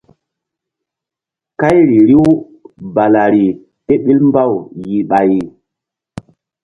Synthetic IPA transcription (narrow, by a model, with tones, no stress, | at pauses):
ka˦jɾi˨ɾi˦w | ba˨la˨ɾi˨ | te˦ɓi˦lmba˦˨wji˨ɓa˨ji˨